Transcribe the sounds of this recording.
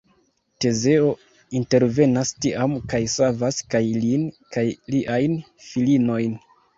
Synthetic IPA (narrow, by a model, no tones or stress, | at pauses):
te̞ze̞o̞ | inte̞ɾve̞nastiʔamkajsavaskajlinkajliʔajn | filino̞jn